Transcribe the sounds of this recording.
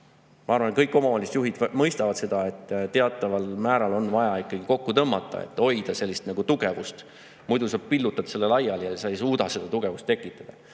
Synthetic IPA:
mɑɑrvɑnkɤjkːˑo̞mɑɑlʲiset̪juɦid̪̥mɤjst̪ɑvɑd̪̥se̞d̪̥ɑe̞t̪ːt̪e̞ɑt̪ːˑɑvɑlmæːɾɑlo̞nvɑjɑikːˑɑɡ̥iko̞kːut̪ɤmːɑt̪ːˑɑ̰ḛt̪ːˑo̞jd̪̥ɑse̞lʲːist̪nɑɡ̥ut̪uɡ̥e̞vust̪ | mujd̪usɑb̥̚pilːut̪ːˑɑd̪ɑ̥se̞lːe̞lɑjːɑljɑsɑejsuːd̪ɑse̞d̪̥ɑt̪uɡ̥e̞vust̪ːe̞kːˑit̪ːˑɑd̪̥ɑ

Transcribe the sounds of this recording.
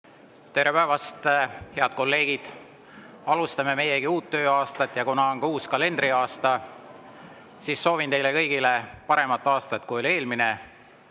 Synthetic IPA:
t̪e̞ɾe̞pæevɑst̪heɑd̪̥̚ko̞lːe̞ːɡ̥id̪̥ | ɑlust̪ɑme̞me̞jeɡ̥iuːt̪ːø̞ːɑːst̪ɑt̪ːˑjɑkunɑoŋɡuːskɑle̞nd̪̥riɑːst̪ɑ | siːsːo̞ːvint̪e̞jle̞kɤ̞jɡ̥ile̞pɑɾe̞mɑt̪ːˑɑːst̪ɑt̪̚ːˑkujo̞lʲe̞ːlmine̞

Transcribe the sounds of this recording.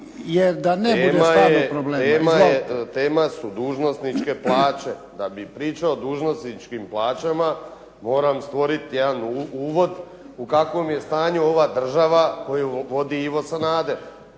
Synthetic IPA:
jeɾd̪aneeud̪emjaepɾobleeːmaaet̪eːmasud̪uːʒno̞snit͡ʃke̞plˠaːt͡ʃed̪abipɾiːt͡ʃaod̪uːʒnosnit͡ʃkimplˠaːt͡ʃama | mo̞ːɾamst̪ʋo̞ɾit̪ijed̪anuuːʋo̞d̪ | ukakʋo̞mjest̪aːɲuo̞ʋad̪r̩ʒaʋako̞juʋo̞d̪iiʋo̞sanaːd̪eɾ

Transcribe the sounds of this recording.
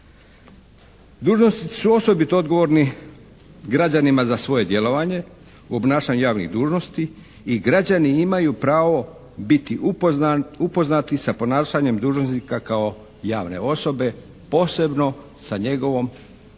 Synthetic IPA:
d̪uːʒnost̪it̪i̥suo̞so̞bit̪ood̪ɡo̞ʋo̞ːɾni | ɡɾad͡ʑanimazasʋo̞je̞d̪je̞lo̞ʋaɲe̞ | uo̞bnaːʃaɲujaːʋnḭɣd̪uːʒno̞st̪i | iɡɾad͡ʑaniimajupɾaːʋo̞ | bit̪iʔ | upo̞znat̪isapo̞naːʃaɲe̞md̪uːʒnosnikakao̞ | jaːʋne̞̰o̞so̞be̞ | po̞ːse̞bno̞ | saɲe̞ɡo̞ʋo̞m

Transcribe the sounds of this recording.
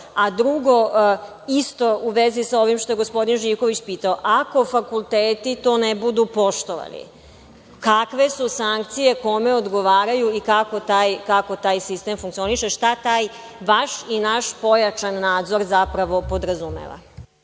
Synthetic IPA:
ad̪ɾuɡo̞ | ist̪o̞uʋezisao̞ʋimʃt̪o̞jeɡo̞spo̞d̪inʒiːʋko̞ʋit͡ɕpiːt̪aoʔako̞fakulˠt̪eːt̪it̪o̞ːnebud̪upo̞ʃt̪o̞ʋa̰lḭ | kakʋe̞susaŋk̚t̪sije̞ko̞me̞od̪ɡo̞ʋaːɾajuikakot̪aːjkako̞t̪aːjsist̪eːmfuŋkt̪sio̞niʃeʃt̪at̪aːj | ʋaʃinaʃpo̞jat͡ʃanːaːd̪zo̞ɾzapɾaʋo̞po̞d̪ɾazumḛʋa̰

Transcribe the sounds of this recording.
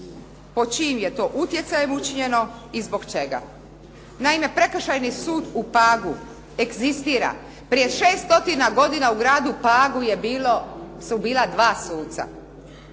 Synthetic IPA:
po̞t͡ʃimje̞t̪o̞ːʔut̪je̞t̪sajemut͡ʃiɲe̞no̞izbo̞ɡt͡ʃe̞ɡa̰ | naime̞pɾe̞kʃajnisuːd̪upaːɡu | e̞ɡzist̪iːɾa̰ | pɾijeʃe̞ːst̪o̞t̪inaɡo̞d̪inauɡɾaːd̪upaːɡujelsubiːlˠad̪ʋaːsuːt̪sa̰

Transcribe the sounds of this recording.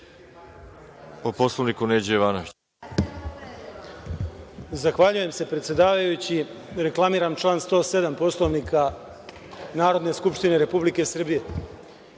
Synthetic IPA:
oposlˠoʋnikuneːd͡ʑeiʋanoʋit͡ɕ | zaxʋaʎuje̞mse̞pɾet̪sjed̪aːʋajut͡ɕi | ɾe̞klˠamiːɾamt͡ʃlˠaːnst̪o̞ːse̞d̪ampo̞slˠo̞ʋnikʰa | naːɾo̞d̪ne̞skupʃt̪ine̞ɾe̞publike̞sr̩bije̞

